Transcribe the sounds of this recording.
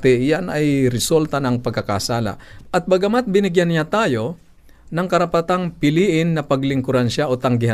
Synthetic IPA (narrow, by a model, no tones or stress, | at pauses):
t̪ɛjanɐjɾɛsult̪ɐnɐŋpɐɡkɐka̰saːla̰ʔɐt̪̚bɐɡɐmat̪̚bɪnɪɡjanːɪjat̪aːjo̞ | nɐŋkɐɾɐpɐt̪aŋpɪliːʔɪnːɐpɐɡlɪŋkʊɾanʃaʔot̪ɐŋɡɪɦa